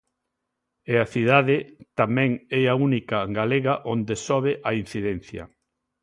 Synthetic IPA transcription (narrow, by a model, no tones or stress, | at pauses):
eaθiðaðɪt̪amɛ̃ŋɛaunikaɡaleɣaʔond̪esɔβeʔain̟θiðɛn̟θjɐ̰